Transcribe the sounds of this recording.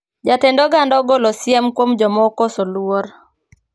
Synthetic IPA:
d͡ʒatendoɡandɔɡolosɪɛmkwomd͡ʒɔmɔkɔsolwoɾ

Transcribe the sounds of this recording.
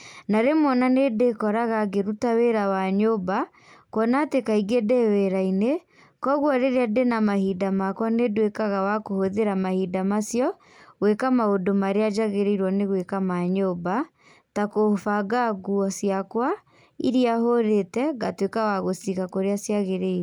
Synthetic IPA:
naɾemwɔnanedekɔɾaɣaɡeɾutaweɾawaɲoba | kɔnatekaiɡedeweɾaine | kɔɣwɔɾeɾeadenamahidamakwanedwekaɣawakohoðeɾamahidamasjɔ | ɣwekamaodomaɾead͡ʒaɣeɾeiɾwɔneɣwekamaɲoba | takohfaɡaɣuɔsjakwa | iɾiaɦoɾetɛɣatwekawaɣosikakoɾeasjaɣeɾeiɾ

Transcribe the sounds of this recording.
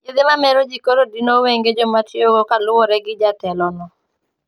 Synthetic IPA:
ed̪ɪmamɛɾod͡ʒikoɾodinoweŋɡed͡ʒɔmatjoɡkalʊwɔɾɛɡɪd͡ʒatɛlɔnɔ

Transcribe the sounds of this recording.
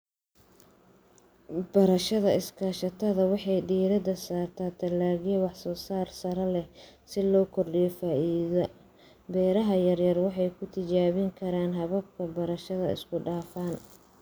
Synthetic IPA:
b̥ɐɾɐʃɐðɐɪskʰɐʃɐt̪ʰɐðɐwɑħɑjɖiːɾɐd̪ɐsaːrt̪ʰaːt̪ʰɐlaːɣɛwɑħsɔːsaːrsɐɾɐlɛ | sɪlɔːkʰɔrɖɪjɔfaːʔiːðɐ | bɛːɾɐɦɐjɐrjɐrwɑħɑjkʰʊt̪ʰɪt͡ʃaːβɪŋkʰɐɾaːnɦɐβɐb̚kʰɐbɐɾɐʃɐðɐ̰ɪ̰skʰʊɖaːfaːn

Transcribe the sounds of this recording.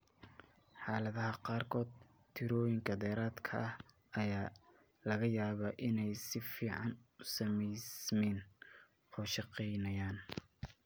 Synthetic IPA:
ħɑːlɐðɐɦɐqɑːrkʰɔːd̪̚ | t̪ʰɪɾɔːjɪŋkʰɐd̪ɛːɾaːd̪kʰɐʔɐh | ɐjaː | lɐɣɐjaːβɐʔɪnɛjsɪfiːʕɑnʊsɐmɛjsmɛn | ɔːʃɑqɛjnɐjaːn

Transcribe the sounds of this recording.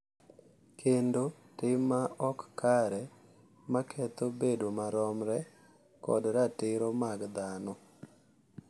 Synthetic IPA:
kʰendo | tɪmaɔkːaɾɛ | makʰɛt̪obedomaɾɔmɾɛ | kɔ̰dɾatɪɾomaɡd̪anɔ

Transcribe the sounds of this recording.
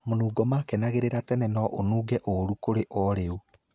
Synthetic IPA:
monuːɡɔmaːkɛnaɣeɾeɾatɛnɛnɔʔonuːɡɛʔoɾukoɾeʔɔɾeu

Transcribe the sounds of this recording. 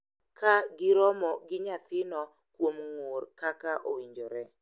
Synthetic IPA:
kaɡɪɾɔmɔɡɪɲat̪ɪnɔ | kwomŋoɾkakaʔowiɲd͡ʒɔɾɛ

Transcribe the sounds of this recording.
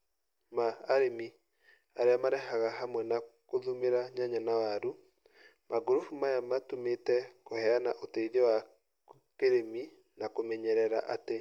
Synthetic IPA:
maːɾemi | aɾeamaɾɛɦaɣaɦamwɛnakoðumeɾaɲaɲanawaɾu | maɡoɾofumajamatometɛkohɛanaʔotɛiðewa | keɾemi | nakomɛɲɛɾɛɾa̰ʔate

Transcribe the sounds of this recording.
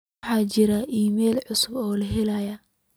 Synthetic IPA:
ħɑːt͡ʃɪɾɐʔiːmɛːlʕʊsʊbɔːlɐɦɛlajɐ

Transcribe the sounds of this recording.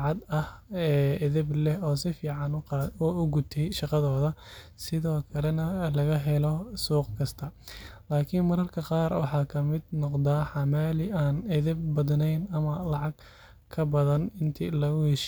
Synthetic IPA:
ʕɑd̪ɐhɛːɛðɛblɛɦɔːsɪfiːʕɑnːʊʊɡʊt̪ʰɛjʃɑqɑðɔːðɐsɪðɔːkʰɐlɛnɐlɐɣɐɦɛlɔsuːqkʰɐst̪ʰɐlaːkʰɪnmɐɾɐrkʰɐqɑːrwɑ̰ħɑːkʰɐmɪd̪nɔqd̪aːħɑmaːlɪaːnɐðɛbːɐdnɛjnɐmɐlɑʕɑɡ | kʰːɐbɐðɐnɪnt̪ʰɪlɐɣʊhɛʃ

